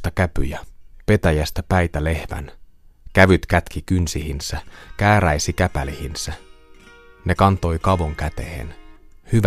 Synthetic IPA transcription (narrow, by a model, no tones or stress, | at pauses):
t̪ɑkæpyjæpe̞t̪æjæst̪æpæjt̪æle̞hʋæ̰nkæʋyt̪kæt̪kikynsihinsækæːɾæjsikæpælihinsæ | ne̞kɑnt̪o̞jkɑʋoŋkæt̪e̞hḛn | hyʋ